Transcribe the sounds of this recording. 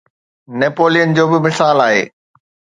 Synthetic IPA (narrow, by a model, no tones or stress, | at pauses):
nepoːlijənd͡ʑoːbɪmɪsaːlaːɦḛː